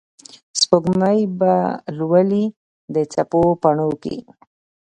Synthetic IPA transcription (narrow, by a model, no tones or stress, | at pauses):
spəɡmajbalwəli | d̪ət͡sapopaɳokḭ